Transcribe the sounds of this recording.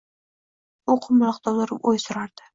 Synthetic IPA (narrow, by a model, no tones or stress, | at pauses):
oqʰʊmʊlˠɑqt̪ʰɒwlˠʊɾɪpojsʊɾaɾd̪̥ɪ̥